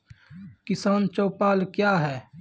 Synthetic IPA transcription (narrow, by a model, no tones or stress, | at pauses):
kɪsaːnt͡ʃoːpaːlkjaːɦɛː